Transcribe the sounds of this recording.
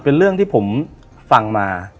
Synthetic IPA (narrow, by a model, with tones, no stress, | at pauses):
pe˧nɾɯ˥˩əŋt̪ʰiː˥˩pʰo˩˦m | fa˧ŋmaː˧